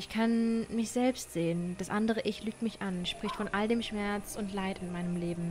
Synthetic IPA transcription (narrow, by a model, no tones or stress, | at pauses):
ʔɪçkʰanmɪçz̥ɛlpstz̥eːənd̥asʔandəʁ̞əʔɪçlyːk̚tmɪçʔanʃpʁ̥ɪçtfɔnʔaldeːmʃmɛɐt͡sʊntlaɪtɪnmaɪnəmleːbm̩